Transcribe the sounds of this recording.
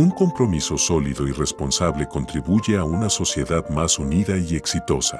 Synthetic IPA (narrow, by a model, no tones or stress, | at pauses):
uŋko̞mpɾo̞miso̞so̞liðo̞ire̞spo̞nsaβle̞ko̞nt̪ɾiβuʝe̞aunaso̞sje̞ðaðmasuniðaie̞ksit̪o̞sa̰